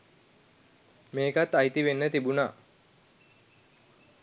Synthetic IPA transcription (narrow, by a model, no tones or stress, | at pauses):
meːkat̪ːajt̪iʋenːət̪ibunaː